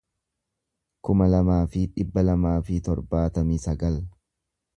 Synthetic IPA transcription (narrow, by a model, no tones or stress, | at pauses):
kʊmɐlɐmaːfɪᶑɪbːɐlɐmaːfɪt̪ɔɾbaːt̪ɐmiːsɐɡɐl